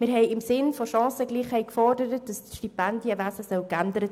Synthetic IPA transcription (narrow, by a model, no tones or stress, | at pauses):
mɪɾɦɛɪɪmsɪnfɔʃɑ̃ːsəɡliːχhɛɪkfɔrdəɾət̚d̥ɑstʃtipændjəvæsəsœwkændəɾət